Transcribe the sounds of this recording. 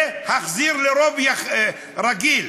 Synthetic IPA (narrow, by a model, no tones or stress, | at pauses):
haχziɾleɾovjaχ | ɾaɡil